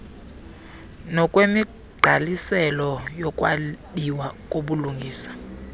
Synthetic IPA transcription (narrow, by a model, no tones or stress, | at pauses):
nɔkʼwemi | ɡ͡ǃʱalisɛlɔjɔkʼwadiwak̬ʼoɓuluŋɡʱiːsḁ